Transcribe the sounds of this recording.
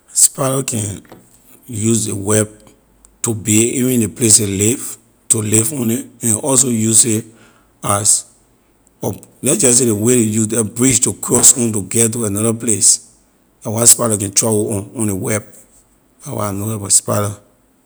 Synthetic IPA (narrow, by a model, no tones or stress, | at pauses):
spaɾakʰɛ̃n | jusdewɛb̚ | tubeivĩñneples̬eliv | tulivɔ̃niɛ̃nɔs̬ojuse | as | ɔlɛd͡ʒassedeweɾejudɛbɹid͡ʒtukʰɹɔsɔ̃ntuɡɛt̬uanɔɾaples | awaspaɾakɛ̃ntɹauɔ̃ɔ̃newɛb̚ | awa̰noɛbɔspaɪɾa